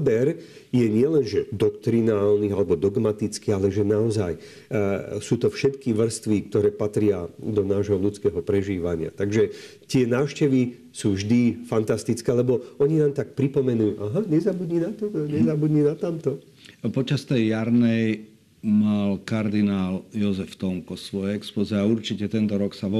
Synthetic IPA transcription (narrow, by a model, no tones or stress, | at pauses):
bɛɾ | jɛɲɪɛlɛnʒɛd̪ɔkt̪ɾinaːlnialɛbɔd̪ɔɡmat̪it͡skialɛʒɛnaɔzaj | suːt̪ɔfʃɛt̪kiʋr̩st̪ʋik̚t̪ɔɾɛːpat̪ɾɪad̪ɔnaːʒɦɔlut͡skɛːɦɔpɾɛʒiːʋaɲɪa̰t̪aɡʒɛt̪ɪɛnaːʃcɛʋi | suːvʒd̪ifant̪ast̪it͡skɛːlɛbɔɔɲinaːmt̪ak̚pɾipɔmɛnujuʔaɦaɲɛzabud̪ɲiːnat̪ɔɲɛzabud̪ɲinat̪amt̪ɔ | pɔt͡ʃast̪ɛjːaɾnɛj | malkaɾd̪inaːljɔzɛft̪ɔŋkɔsʋɔjɛɛkspɔziɛauɾt͡ʃicɛt̪ɛnt̪ɔɾɔksa